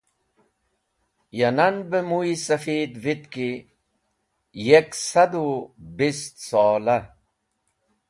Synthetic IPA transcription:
jɐnɐnbəmuisɐfiːd̪vit̪ki | jeksɐd̪ubist̪sɔːlɐ

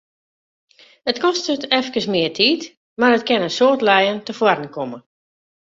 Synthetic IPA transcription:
ətkɔstətɛfkəsmɪətʰiːt | marətkɛnəsoːtlɛjəntəfwɔrən̩kʰɔmə

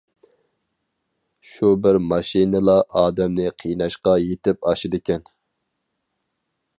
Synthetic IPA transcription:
ʃubɪɾmɑʃinɨlˠɑʔɑːd̪ɛmnɪqʰijnɑʃqɑjet̪ɪpɑʃɪd̪ɪkʲɛn

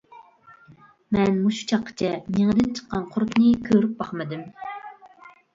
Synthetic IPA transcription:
mɛnmuʃu̥t͡ʃʰɑqʰːə̥t͡ʃʰɛneŋd̪ɪnt͡ʃʰə̥qːɑnqʰʊɾknɨkʲʰøɾyp̚bɑχmɨd̪ɪm

